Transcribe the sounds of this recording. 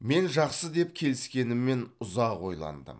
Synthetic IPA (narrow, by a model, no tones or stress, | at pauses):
me̞nʒɑqsəd̪e̞p̚kʲʰe̞lɪskʲe̞nɪmːe̞nʊzɑqwo̞jlˠɑ̰nd̪ə̰m